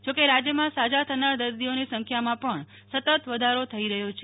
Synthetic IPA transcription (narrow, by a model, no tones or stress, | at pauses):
d͡ʒokeɾad͡ʒjəmãsad͡ʒat̪ʰənaɾd̪əɾd̪ionisə̃ŋkʰjamãpəɳ | sət̪ət̪ʋəd̪ʱaɾot̪ʰəiɾəɦjot͡ʃʰe